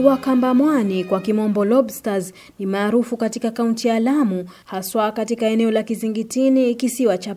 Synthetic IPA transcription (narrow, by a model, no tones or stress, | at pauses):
wakambamwanikwakimɔmbɔlɔbstaz | nimaːɾufukatikakauntijaːlamuhaswakatikaɛnɛɔlakiziŋɡitinikisiwat͡ʃa